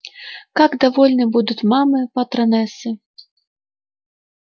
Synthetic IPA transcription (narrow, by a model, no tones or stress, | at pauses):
kaɡd̪avɔlʲnɨbud̪ut͡sʲmamɨpɐt̪ɾanɛsʲɪ